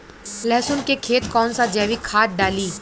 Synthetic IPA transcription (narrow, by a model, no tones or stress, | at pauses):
lɛɦsʊnkekʰeːt̪kɔːnsad͡ʒɛːʋikʰaːʈ̪̚ɖaːliː